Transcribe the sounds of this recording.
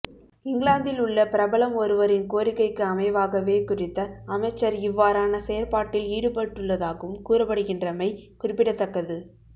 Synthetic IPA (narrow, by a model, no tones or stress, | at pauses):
ɪŋɡɪlaːnd̪ɪlʊɭːɐpɪɾɐbɐɭɐmɔɾɯʋɐɾɪnkoːɾɪkːɐɪkːɯɐmɐɪʋaːɣɐʋeːkʊrɪt̪ːɐɐmɐɪt͡ʃːɐɾɪʋːaːɾaːnɐsɛjɐɾpaːʈːɪliːɽɯpɐʈːɯɭːɐðaːɣɯmkuːrɐpːɐɽɯɣɪndrɐmɐɪkʊrɪpːɪɽɐt̪ːɐkːɐðɯ